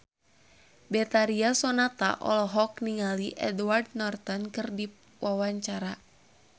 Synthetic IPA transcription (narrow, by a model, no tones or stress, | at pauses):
bɛt̪aɾiasɔnat̪a̰ʔɔ̰lɔɦɔk̚niŋaliʔɛ̰dwardnɔrt̪ɔnkɨrdi | wʔawaɲt͡ʃaɾa